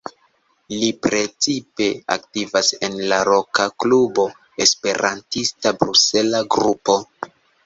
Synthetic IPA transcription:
lipɾe̞t͡sipe̞a̰ktivase̞nlaɾo̞kaklubo̞ | espe̞ɾʔantistabɾuse̞laɡɾupo̞

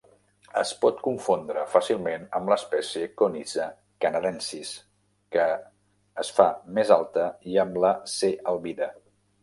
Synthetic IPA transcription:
ə̰spɔt̪kuɱfond̪ɾəfasilˠmenəmləspɛsiəkonizə | kənəɾɛnsis | kəː | sfamezalˠt̪əiəmləseəlˠβiðə

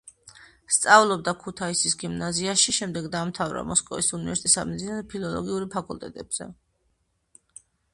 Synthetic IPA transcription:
st̪sʼavlˠɔb̚d̪akʰut̪ʰaisisɡimnaziaʃiʃɛmd̪ɛɡd̪aːmt̪ʰavɾa̰mɔskʼɔvisunivɛɾsit̪ʼisad̪mid̪zinaɾɛpʰilˠɔlˠɔ̰ɡiuɾpʰakʼulˠt̪ʼɛt̪ʼɛb̥z̥ɛ̰

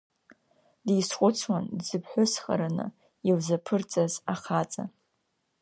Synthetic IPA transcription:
dijsχʷʼʊt͡sʰwandzɨpʰħʷʊsχa̰ɾanɨ̰ | iwzapʰɨrt͡sʼazaχat͡sʼa̰

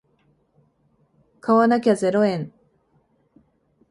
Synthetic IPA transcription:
kawanak̬ʲaze̞ɾoẽn

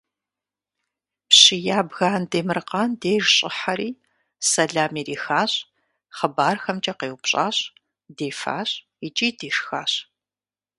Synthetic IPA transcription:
pɕijaːbɣaːndeːmɨrqɑːndeːrɕʼɪħɐɾiː | sɐɮaːmiːriːxaːɕʼ | χəbaːrxɐmt͡ʃʼɐqeːwʊpɕʼa̰ːɕʼ | deːfa̰ːɕʼ | it͡ʃʼiːdeːʂxaːɕ

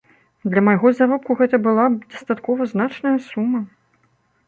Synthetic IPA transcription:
d̪lʲɐmajɣɔzaɾɔp̚kuɣɛt̪ɐbɨlˠad̪ɐst̪at̪kɔvɐznat͡ʂnɐjɐsumːɐ

